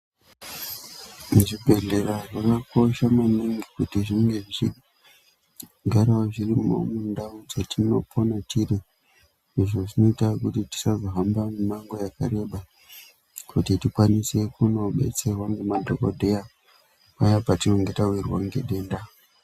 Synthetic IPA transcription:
muʐibʱe̞ɮe̞ɾaʐakako̞ʃamaniŋɡikutiʐiŋɡe̞ʐit͡ʃi | ɡʱaɾawaʐirimo̞̰mundaud͡zatino̞pʰo̞natiɾi | iʐo̞ʐino̞itakutiti̥sazoɦambamumaŋɡo̞jaka̰ɾe̞ɓa | kutitikwanise̞kuno̞ɓe̞̰t͡serwaŋɡemadʱokodʱeja | pajapatino̞ŋɡe̞tawirwaŋɡḛɗe̞ːnda

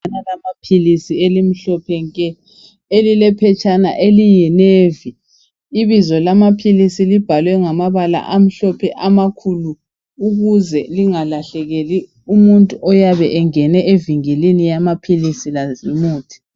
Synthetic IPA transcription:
nalamapʰilisielim̩ɬɔpʰɛŋkʼɛ | elilɛpʰɛt͡ʃʼana̰ʔelijɛneːviː | βizɔlamapʰilisilib̥ʱalwɛŋamaβala̰ʔam̩ɬɔpʰɛʔamakʰulu | uɣuzɛliŋalaɬɛɣeli | umuntʼuʔɔjaβɛʔɛŋɛnɛʔeviŋilinijamapʰilisilazimuːtʰi̥

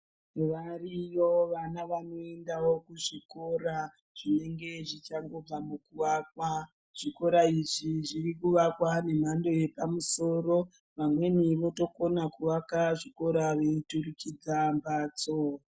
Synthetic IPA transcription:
ʋarijoʋanaʋano̞e̞ndawokuʐiko̞ɾa | ʐ̥ine̞ŋɡe̞ʐit͡ʃaŋɡo̞b͡vamukuʋakwa | ʐ̥iko̞ɾaiʐiʐirikuʋakwane̞m̤ando̞je̞pamuso̞ro | ʋamwe̞niʋo̞to̞ko̞nakuʋakaʐiko̞ɾaʋeiturukid͡zambaːt͡so

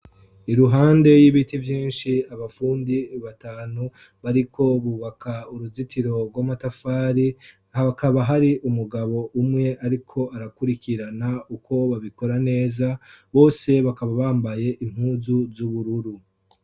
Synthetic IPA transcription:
iɾuɦaːnde̞jiβitivjiːnʃiaβafuːndiβataːnu | βaɾikʰo̞βuːβakʰauɾuzitʰiɾo̞ɾɡwamatafaːɾi | hakaβaɦaɾiʔumuɡaβo̞ʔumŋe̞ʔaɾikʰo̞aɾakuɾikiɾanaukʰo̞βaβiko̞ɾane̞ːzaβo̞ːse̞βakaβaβaːmbaje̞ʔim̥huːzuzuβuɾuɾu

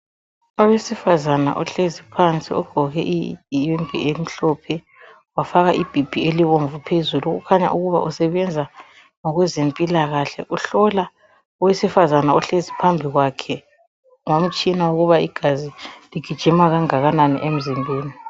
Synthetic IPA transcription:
awesifazana̰ʔɔɬezipʰant͡sʼḭɔ̰ɡ̥ʱɔɣɛ̰ʔijiŋʱḭem̩ɬɔpʰɛ | wafaɣaʔib̥ʱib̥ʱieliβoɱvupʰezuluɣṵkʰaɲa̰ʔuɣuβa̰ʔusɛβɛnd͡zʱa | ŋɔɣwɛzempʼilaɣaɬɛ̰ʔuɬɔla | ɔwesifazanaɔɬezipʰambʱiɣwakʰɛ | ŋom̩t͡ʃʼinawoɣuβaḭɡ̥ʱaziliɡ̥ʱid̥ʒ̥ʱimaɣaŋaɣananḭʔem̩zimbʱeːni

